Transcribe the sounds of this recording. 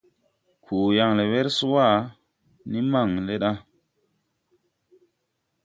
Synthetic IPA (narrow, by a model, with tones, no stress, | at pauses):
kʰu˨ja˨ŋle˨we˦ɾsu˦wa˦˨ | ni˦ma˦˨ŋle˦ɗa˦